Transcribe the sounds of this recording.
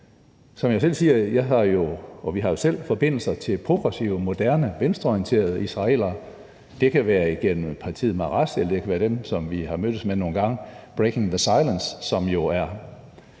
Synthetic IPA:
sɒ̽mjɑɪs̬el̰siːɐjɑ̈ɪɦɑ̈jo̝ɒ̽ʋiɦɑ̈jo̝sel̰fɒ̽b̥e̝n̰l̩sɐt͡sʰe̝lpʰʁo̝ɡ̥ʁɛsiʊəmo̝d̥æɐnəʋensd̥ʁɐɒijənt͡sʰe̝̰ːɐð̞̩ˠəisʁɑ̈e̝̰ːl̰ɐ | d̥e̝kʰæʋæːɐiɡ̥en̰m̩pʰɑ̈t͡sʰḭːð̩ˠmɑ̈ʁɑ̈selɐd̥e̝kʰæʋæːɐd̥emsɒ̽mʋiɦɑ̈mød̥əsmeno̝ːn̩ɡ̥ɑ̈ŋ̰b̥ʁekʰe̝ŋðəsɑ̈ɪlənsːɒ̽mjo̝æɐ

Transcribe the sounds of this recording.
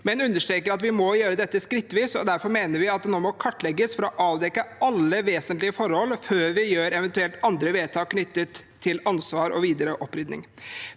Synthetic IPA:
mɛnʉnːəʂʈ̪ɾeːkəɾɑt̪ʋɪmɔjøːɾəd̪ɛt̪ːəskɾɪt̪ːʋiːsɔd̪æɾfɔɾmeːnəɾʋɪɑt̪̚d̪ɛnoːmɔkʰɑʈːlɛɡːəsfɔɾɔʔɑːʋd̪ɛkːəɑlːəʋeːsənt̪lɪəfɔɾhɔlføːɾʋɪjøːɾɛʋɛnt̪ʉɛlt̪ɑnd̪ɾəʋeːt̪ʰɑːkʰːnʏt̪ːət̪ʰːɪlɑnsʋɑːɾɔ̰ʋiːd̪əɾəʔɔpːɾʏd̪nɪ̰ŋ

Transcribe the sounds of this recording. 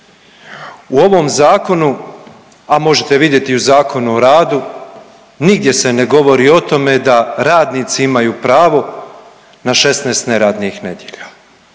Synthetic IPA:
uo̞ʋo̞mzaːko̞nu | amo̞ʒet̪e̞ʋid̪je̞t̪iuzaːkʰo̞nuoɾaːd̪u | niɡd̪je̞se̞ne̞ɡo̞ʋo̞ɾiːo̞t̪o̞me̞d̪aɾaːd̪nit̪siimajuːpɾaːʋo̞ | naʃe̞sneːst̪neɾaːd̪nixne̞d̪jeʎa

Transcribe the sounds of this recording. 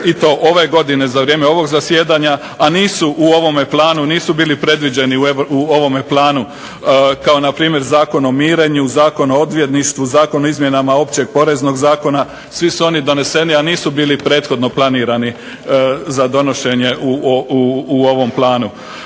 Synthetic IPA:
it̪o̞ʔo̞ʋe̞ɡo̞d̪ine̞zaʋɾje̞ːmeo̞ʋo̞ɡzasje̞ːd̪aɲaː | niːsuʔuo̞ʋo̞meplˠaːnuniːsubiːlipɾe̞d̪ʋid͡ʑe̞niuuoʋo̞meplˠaːnu | kao̞napɾiːmje̞ɾzaːko̞no̞miːɾe̞ɲuzaːko̞noo̞d̪ʋje̞d̪niʃt̪ʋuzaːko̞noizmje̞namao̞pt͡ɕe̞ɡ̚po̞ɾe̞zno̞ɡzaːko̞na | sʋisuo̞nid̪o̞ne̞se̞nianiːsubiːlipɾe̞ːt̪xo̞d̪noplˠaniːɾani | zad̪o̞no̞ʃe̞ɲe̞ʔuː | o̞ʋo̞mplˠaːnu

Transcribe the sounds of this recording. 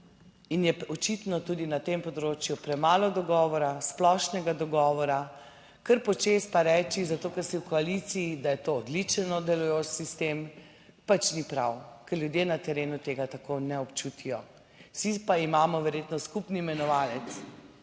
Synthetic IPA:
injɛɔt͡ʃit̪nɔt̪ud̪inat̪empɔd̪ɾot͡ʃjupɾɛmaːlɔd̪ɔɡɔːʋɔɾasplɔʃnɛɡad̪ɔɡɔːʋɔɾa | kəɾpɔt͡ʃespaɾɛːt͡ʃizat̪oːkɛɾsiwkɔalit̪siːd̪ajɛt̪oːd̪lit͡ʃɛnɔd̪ɛlɔjot͡ʃsist̪em | pat͡ʃnipɾawkɛɾljud̪jeːnat̪ɛɾeːnut̪eːɡat̪akonɛɔpt͡ʃut̪ʰijɔ | sipaimaːmɔʋɛɾjet̪nɔskupniimɛnɔʋaːlɛt̪s

